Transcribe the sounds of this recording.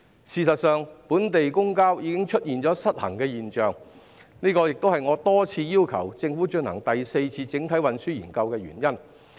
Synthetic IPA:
siː˨˧sɐ˨t̚sœː˨ŋpuː˨˥nt̪e˨jkʊ˥ŋkaː˥wjiː˨˧˥kɪ˥ŋt͡ʃʰɵ˥t̚jiː˨nt͡ʃɔː˨˥sɐ˥t̚hɐ̰˨˩ŋkɛː˧jiː˨nt͡ʃœː˨ŋ | niː˥kɔː˧jɪ˨k̚t̪o˥wɦɐ˨jŋɔː˨˧t̪ɔː˥t͡sʰiː˧jiː˥wkʰɐ̰˨˩wt͡sɪ˧ŋfuː˨˥t͡ʃɵ˧nhɐ̰˨˩ŋt̪ɐ˨jse˧jt͡sʰiː˧t͡sɪ˨˥ŋt̪ʰɐ˨˥jwɐ˨nsyː˥jiː˨˩nkɐ˧wkɛː˧ɥy̰ː˨˩njɐ˥n

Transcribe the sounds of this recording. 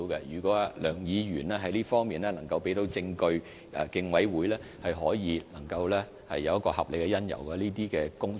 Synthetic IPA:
wkɛ˧jyː˨˩kʷɔː˨˥a˧lœː˨˩ŋjiː˨˧jyː˨˩nlɛː˥ɦɐ˨˥jliː˥fɔː˥ŋmiː˨nlɛː˥nɐ˨˩ŋkɐ˧wpe˨˥jt̪o˨˥wt͡sɪ˧ŋkɵ˧ɥ | kɪ˧ŋwɐ˨˥jwuː˨˥jlɛː˥hɐ˨jɦɔː˨˥jiː˨˧nɐ˨˩ŋkɐ˧wlɛː˥ | hɐ̰˨jːɐ˨˧wjɐ˥tkɔː˧hɐ˨p̚le˨jkɛ˧jɐ˥njɐ̰˨˩wkɐ˧liː˥t̪̬iː˥kɛː˧kʊ˥ŋ

